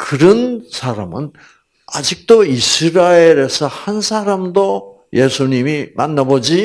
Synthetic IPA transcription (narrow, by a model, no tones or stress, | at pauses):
kɯɾʌnsʰaɾamɯn | a̰d͡ʑik̚t͈oisʰɯɾaeɾe̞sʰʌhansʰaɾamdo | je̞sʰuɲimimanːabod͡ʑi